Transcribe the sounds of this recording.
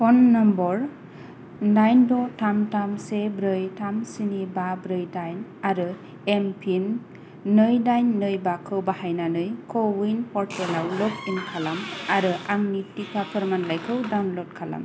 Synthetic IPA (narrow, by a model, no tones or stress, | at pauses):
pɔnːɔmbɔɾ | dajndɔtamtamsebɾɯjtʰamsinibabɾɯjdajnaɾɯ | empʰim | nɯjdajnːɯjbakʰɯwbahajnanɯjkʰɔwinpɔɾtʰelawlɔkinkʰalamaɾɯʔaŋnitikʰapʰɯɾmanlajkʰɯwdawnlɔd̚kʰala̰m